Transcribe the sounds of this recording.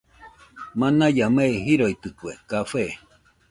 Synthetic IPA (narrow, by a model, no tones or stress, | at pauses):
manajameɦiɾoit̪ɨkwekafe